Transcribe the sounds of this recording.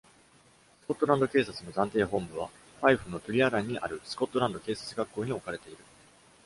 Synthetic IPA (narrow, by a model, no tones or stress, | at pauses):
sɨ̥ko̞t̪ːo̞ɾãnd̪o̞ke̞ːsat͡sɨno̞zãnt̪e̞ːɦõ̞mbɯ̟β̞a | ɸaiɸɯ̟no̞t̪ɯɾʲiaɾãɲ̟ːiʔa̰ɾɯ̟sɨ̥ko̞t̪ːoɾãnd̪o̞ke̞ːsḁt͡sɨɡakːo̞ːɲ̟io̞kaɾe̞t̪e̞iɾɯ̟